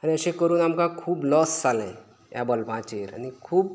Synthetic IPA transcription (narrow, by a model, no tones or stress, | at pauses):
əɾeəsẽkəɾuːnamkakʰuːblɔst͡salɛ̃ | ja̰bəlpãt͡ʃeːɾa̰nikʰuːb